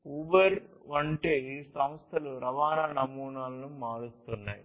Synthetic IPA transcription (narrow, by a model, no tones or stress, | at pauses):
uʋɐɾʋɐɳʈesɐmst̪ʰɐluɾɐʋaːnaːnɐmuːnaːlnumːaːðɯt̪ːunːɐ̰j